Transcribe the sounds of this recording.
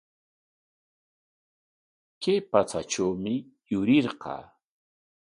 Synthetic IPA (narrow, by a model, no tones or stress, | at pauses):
kejpat͡saʈ͡ʂawmɪjʊɾɪɾqɑ̰ː